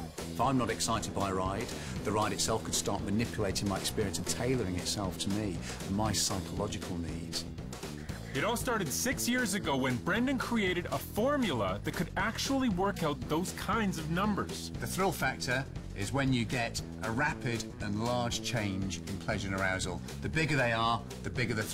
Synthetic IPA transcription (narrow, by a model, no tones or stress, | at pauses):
ɪfãɪ̃mnəɾɨksaɪɾɨd̚baɪɹaɪd̚ | ðəɹaɪɾɨtsɛlˠfkʰəd̥stɑ̰ɹʔ̚mənɪpʰjəleɪtɪ̃ŋmaɪɨkspɪɹiə̃nsəv̥tʰeɪlˠəɹɪ̃ŋɪtsɛlˠftʰəmi | ə̃maɪsaɪkʰəlɑd͡ʒɪkʰəl̩ˠnḭːdz̥ | ɨɾɔlˠstɑɹɾɨd̥sɪksjɪɹzɨɡoʊwɨ̃nbɹɛ̃ndɨ̃nkʰɹ̥ieɪɾɨɾəfɔɹmjl̩ˠəðɨt̚kʰɨɾæk̚t͡ʃul̩ˠiwɜ˞kaʊt̪̚ðoʊz̥kʰãɪ̃ndzʌvnʌ̃mbə˞z̥ðəθɹɪlˠfak̚tʰə˞ | ɪzwə̃njɨɡɛtʔəɹapɪdə̃nlɑːd̥ʒ̥t͡ʃʰẽɪ̃nd͡ʒɪ̃npʰl̥ɛʒəɹə̃nəɹaʊzəl̩ˠ | ðəbɪɡəðeɪə | ðɨbɪɡəðɨθ